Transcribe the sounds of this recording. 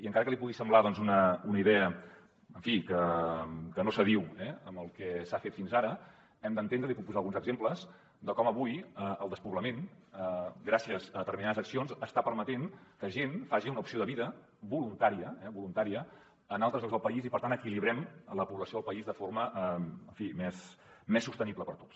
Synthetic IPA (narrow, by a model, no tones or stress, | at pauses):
iəŋkaɾəkəlipuɣisəmblaðɔnzunəunəiðɛə | əɱfikə | kənosəð̞iwɛəmbəlˠkɛsafet̪finzaɾə | ɛmd̪ənt̪end̪ɾəliput̪̚puzalˠɣunzəɡzempləz | d̪əkɔməβujəʔəlˠd̪əspuβləmenəɡɾasiəzəðət̪əɾminaðəzəksionzəst̪apəɾmət̪eŋkəʒenfaʒiunəupsioðəβiðə | bulunt̪aɾiəɛβulunt̪aɾiə | ənalˠt̪ɾəzʎɔzðəlˠpəizipəɾt̪anəkiliβɾɛmləpuβləsioðəlˠpəizðəfoɾməʔɛəɱfimɛs | mɛsːust̪ənibləpəɾt̪o̥ts